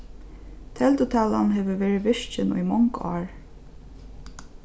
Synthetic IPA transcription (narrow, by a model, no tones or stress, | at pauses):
t̪ʰɛlt̪ʊt̪ʰæːlanɦeːʋəʋeːɹɪʋɪʂt͡ʃɪnṵjmɔŋkɑːɹ